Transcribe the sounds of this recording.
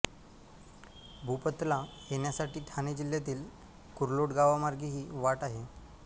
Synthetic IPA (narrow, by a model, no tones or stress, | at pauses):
bʱupət̪la | jeɳjasaʈiːʈʰaned͡ʑiljat̪iːl | kuɾloʈɡaʋamaɾɡiɦiːʋaʈaɦe